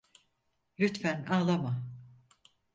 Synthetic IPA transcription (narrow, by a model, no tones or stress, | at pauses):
lʲyt̪fænaːlˠama